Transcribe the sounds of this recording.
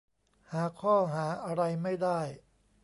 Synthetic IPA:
haː˩˦kʰɔː˥˩ɦaː˩˦ʔa˧ɾa˧jma˥˩jdaː˥˩j

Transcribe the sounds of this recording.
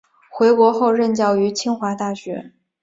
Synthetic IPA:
xwe˧˥ɪkwɔ˧˥xo˥˧ʊɻə˥˧nt͡ɕjɑ˥˩ʊy˧˥t͡ɕʰi˥ŋxwa˧˥t̪a˥˩ɕɥɛ̰˧˥

